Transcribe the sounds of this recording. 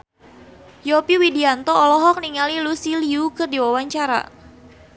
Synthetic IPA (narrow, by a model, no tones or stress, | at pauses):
jɔpiwidiant̪ɔːlɔɦɔk̚niŋalilusiliukɨrdiwawaɲt͡ʃaɾa̰